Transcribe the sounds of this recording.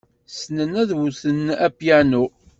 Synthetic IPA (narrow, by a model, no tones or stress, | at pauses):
snənæðwuθənæpjænu